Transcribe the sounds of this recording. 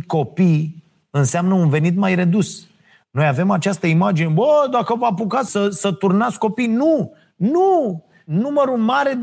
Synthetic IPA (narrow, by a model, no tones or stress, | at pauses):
ko̞pij | ɨnseamnəunve̞nit̪majɾe̞d̪us | no̞jave̞mat͡ʃast̪əimad͡ʒine̞bəd̪akəvapukasəsət̪urnat̪sko̞pijnu | nu | numəɾulmaɾe̞